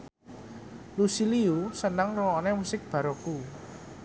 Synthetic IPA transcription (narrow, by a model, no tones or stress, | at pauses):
lusiliusənəŋrɔɔnemusɪk̚b̥a̤ɾoku